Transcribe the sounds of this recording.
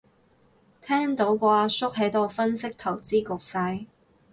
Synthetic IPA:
t̪ʰɛː˥ŋt̪o˨˥wkɔː˧a˧sʊ˥k̚ɦe˨˥jt̪o˨˩wfɐ˥nsɪ˥k̚t̪ʰɐ˨˩wt͡siː˥kʊ˨k̚sɐ˧j

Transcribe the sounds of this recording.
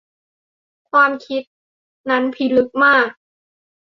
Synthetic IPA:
kʰwaː˧mkʰi˦˥t̪̚ | na˦˥npʰi˧˦˥lɯ˦˥k̚maː˥˩k̚

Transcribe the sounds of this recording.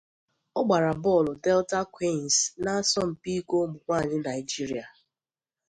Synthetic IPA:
ɔ˦ɡ͡ba˨ɾa˨bɔ˦˨lʊ˨dɛ˦lta˦kwi˦˨n˨sna˦a˦sɔ˦m̩˨pi˦ko˦mʊ˨kʷa˦˨ɲɪ˦na˨ɪ˨d͡ʒi˦ɾi˨a˨

